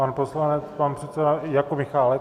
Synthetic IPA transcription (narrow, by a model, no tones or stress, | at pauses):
anposlanɛt͡spanpr̥ɛt̪sɛdajakumɪxaːlɛ